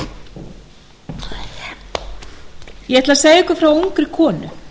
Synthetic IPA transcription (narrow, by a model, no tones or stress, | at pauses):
jɛɛht̪laseːjɛhkʏfɾawowŋkɾɪkʰɔːnʏ̰